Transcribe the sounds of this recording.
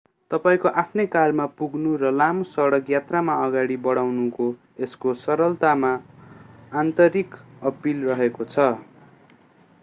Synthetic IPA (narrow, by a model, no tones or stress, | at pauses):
t̪ʌpaĩkoʔapʰnekarmapuɡnurʌlamosʌɽʌkjat̪ramaʌɡaɽibʌɽawnuko | eskosʌɾʌlt̪amaː | nt̪ʌɾikʌpilrʌɦekot͡sʰʌ